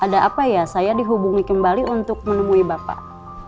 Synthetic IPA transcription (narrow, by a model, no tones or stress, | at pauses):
ʔadaʔapajasajadiɦubuŋikəmbaliunt̪ʊk̚mənəmuibapa̰